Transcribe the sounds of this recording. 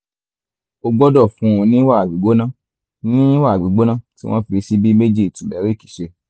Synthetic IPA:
o˧ɡ͡bɔ˦dɔ˦˨fũ˨˦ũ˧nĩ˦wa˦˨ɡ͡bi˨ɡ͡bo˦nã˦ | nĩ˦wa˦˨ɡ͡bi˨ɡ͡bo˦nã˦tḭ˦w̃ɔ̃˦fi˧si˦bi˦me˦d͡ʒi˦˨tũ˨bɛ˨˦ɾi˦˨ki̥˨ʃe˧

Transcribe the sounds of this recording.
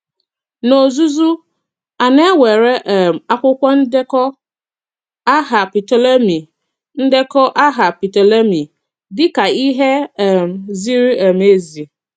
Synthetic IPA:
no˨o˨zu˦zu˦ | a˨nɛ̃˦wɛ˨ɾɛ˦ʔɛ˨m˨a˨kʷʊ˦kʷɔ˦n̩˦dɛ˦kɔ˦ | a˦ɦa˨pi˨tʰɔ˨la˦mĩ˨ | n̩˦dɛ˦kʰɔ˦ʔa˦ɦa˨pi˨to˨la˦mĩ˨ | dɪ˦ka˨i˦ɦɛ˦ɛ˨mzi˦ɾi˦ɛ˨me˨˦zi˨

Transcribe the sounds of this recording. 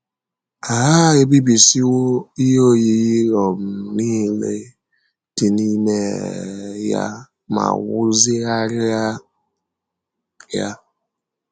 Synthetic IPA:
a˨ɦa˦e˦bi˦bi˨si˦wo˦i˦jo˦ji˨ɣi˦ɾɔ˨m̩˨niː˦le˦ | d̥i˨ni˦me˦˨ | ja̰˦ | ma̰˨wʊ˦zɪ˦a˦ɾɪ˦a˦ | ja̰˦

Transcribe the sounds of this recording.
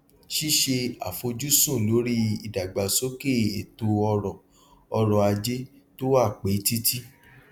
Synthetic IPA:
ʃi˦ʃe˧a̰˨fo˧d͡ʒu˦sõ˦˨lo˨˦ɾi˦i˨da˨ɡ͡ba˨so˦ke˦˨e˨to˧ɔ˧ɾɔ̃˨ | ɔ˧ɾɔ̃˨a˧d͡ʒe˦ | to˦wa˦˨k͡pe˨˦ti˦tʰi˦

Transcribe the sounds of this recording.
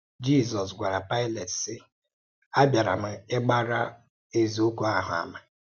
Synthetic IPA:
d͡ʒi˦˨zɔ˨s̬ɡʷa˨ɾa˨pa˦ɪ˦le˨tsɪ˦ | a˦bja˨ɾa̰˨m̩˨e˦ɡ͡ba˦ɾa˦ | e˦zi˨o˦ku˦a˦ɦʊ̰˨a̰˨ma˨

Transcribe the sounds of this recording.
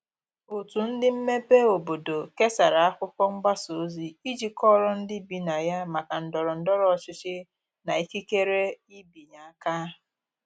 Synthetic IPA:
o˨tu˨n̩˦dɪ˦m̩˦me˦pe˦o˨bo˨do˨ke˦sa˨ɾa˨a˦kʷʊ˦kɔ˦ŋ͡m̩˦ɡ͡ba˦so˨˦zi˨i˦d͡ʒi˦kɔ˦ɾɔ˦n̩˦dɪ˦bi˨na˨ja˦ma˨ka˨n̩˨dɔ˨ɾɔ˨n̩˦dɔ˦ɾɔ˦ɔ˨t͡ʃɪ˦t͡ʃɪ˦ | na˨i˦ki˦ke˦ɾe˦i˦bi˨ɲa˨a˦ka˦

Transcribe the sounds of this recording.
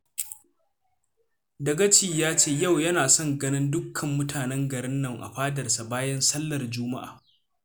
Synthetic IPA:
dɐ˨ɡɐ˦t͡ʃiː˨jaː˦t͡ʃeː˦˨ja˦˨wjɐ˦naː˨sɔ˦ŋɡɐ˦nɪ˦ndʊ˦kʰːɐ˨mːʊ˦tʰaː˨nɛ˦ŋɡɐ˨ɾɪ˦nːɐ˨ŋʔa̰˨ɸaː˦dɐ˨rsa˨baː˦jɐ˦nsɐ˦lːɐ˨rd͡ʒʊː˦ma̰˦ʔa̰ː˨

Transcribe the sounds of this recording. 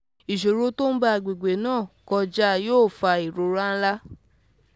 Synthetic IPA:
i˨ʃo˨ɾo˧˦to˦n̩˦ba˦a˨ɡ͡be˨ɡ͡be˨˦nãː˦˨kɔ˧d͡ʒa˦˧joː˦˨fa˧i˨ɾo˧˦ɾa˦n̩˦la˦

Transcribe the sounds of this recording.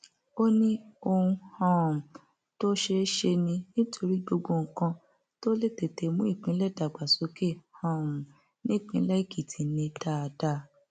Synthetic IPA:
o˦nĩ˦o˧ũ˧hã˦˨ũ˨ | to˦ʃe˧˦ʃe˧nĩ˧nĩ˦tʰo˧ɾi˦ɡo˧ɡõ˧˨ŋ̩˨kã˧ | to˦le˦˨te˨te˨mũ˦i˦˨k͡pĩ˨˦lɛ˦˨da˨ɡ͡ba˨so˨˦ke˦˨hã˨ũ˨ | nĩ˦˨k͡pĩ˧˦la˦i˦˨ki˨tʰi˨˦nĩ˧ta˦˨˧da˦

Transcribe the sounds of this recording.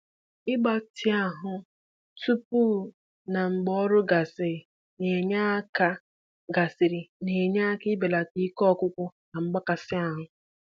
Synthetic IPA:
ɪ˦ɡ͡ba˨tʰɪ˦a˨ɦʊ˨ | tu˦pu˦ | na˨ŋ͡m̩˨ɡ͡bɔ˦ɾʊ˦ɡa˨sɪ˨ɾɪ˨ | ne˨ɲa˦ka˦ | ɡa˨sɪ˨ɾi˨ne˨ɲa˦a˦kɪ˦be˨la˨ti˦kɔ˦˨kʷʊ˦kʷʊ˦na˨ŋ͡m̩˦ɡ͡ba˦ka˨sɪ˦a˦ɦʊ˨

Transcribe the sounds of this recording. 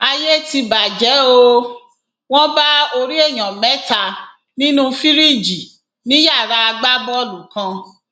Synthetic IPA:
a˧je˦ti˧ba˨d͡ʒɛ˨˦o˦˧ | w̃ɔ̃˦ba˦o˧ɾi˦e˦˨j̃ã˨mɛ˨˦ta˧ | nĩ˦nũ˦fi˦ɾi˦˨d͡ʒi˨ | nĩ˨˦ja˦˨ɾa˧a˧ɡ͡ba˦bɔ˦lũ˨kã˧

